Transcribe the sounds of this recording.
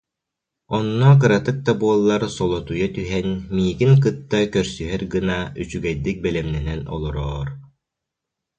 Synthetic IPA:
ɔnːɔk̬ɯɾat̪ɯk̚d̪abuɔlˠːaɾsɔlˠɔt̪ujat̪yɦɛnmiːɡiŋk̬ɯt̪ːakœɾsyɦɛɾɡɯnayt͡ɕyɡɛjd̪ik̚bɛlɛmnɛnɛnɔ̰lˠɔɾɔːɾ

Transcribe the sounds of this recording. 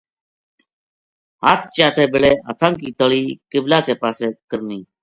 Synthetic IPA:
ɦaːt̪̚t͡ʃaːt̪ʰeːbɪɭeːə̰t̪ʰãːŋkiːt̪əɭiːkɪblaːkeːpaːseːkəɾniː

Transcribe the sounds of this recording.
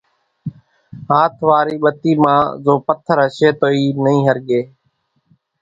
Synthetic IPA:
ɦaːt̪ʰʋaːɾiːɓət̪iːmãːzoːpət̪ʰəɾɦəʃeːt̪oːiːnəĩːɦəɾɠeː

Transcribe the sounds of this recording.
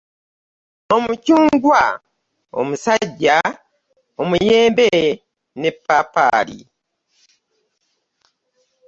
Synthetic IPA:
o̞mucuːŋɡwa | o̰musaɟːa | omujeːmbe | nepːapa̰ːlḭ

